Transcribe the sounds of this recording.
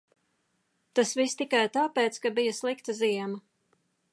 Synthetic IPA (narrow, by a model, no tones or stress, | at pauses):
t̪asvist̪ikajt̪aːpeːt̪skabijaslˠikt̪ɐziɛmɐ